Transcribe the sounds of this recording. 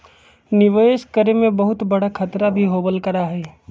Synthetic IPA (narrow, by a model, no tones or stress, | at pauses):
nɪʋeːʃkəɾemẽbɐɦʊt̪bɐɽakʰɐt̪ɾabʱiɦoːbəlkɐɾaɦɛː